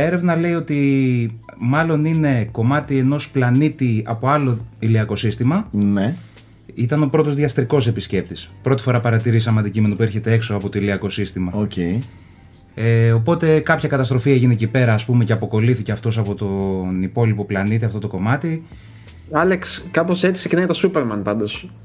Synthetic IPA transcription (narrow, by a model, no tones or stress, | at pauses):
e̞ɾe̞vnɐle̞io̞t̪i | mɐlo̞nine̞ko̞mɐt̪ie̞no̞splɐnit̪iɐpo̞ɐlo̞iliɐko̞sist̪imɐne | it̪ɐno̞pɾo̞t̪o̞zðiɐst̪ɾiko̞se̞pisce̞p̚t̪ispɾo̞t̪i̥fo̞ɾɐpɐɾɐt̪iɾisɐmeɐnd̪icime̞nopue̞ɾçe̞t̪e̞e̞kso̞ɐpo̞t̪o̞iliɐko̞sist̪imɐocei | eo̞po̞t̪e̞kɐpçɐkɐt̪ɐst̪ɾo̞fiɐeʝinecipe̞ɾɐːspume̞ce̞ɐpo̞ko̞liθice̞ɐft̪o̞s̬ɐpo̞t̪o̞nipo̞lipo̞plɐnit̪iɐft̪o̞t̪o̞ko̞mɐt̪i | ɐlekskɐpose̞t͡si̥ksecinɐjɐt̪ɐsupeɾmɐnpɐnd̪os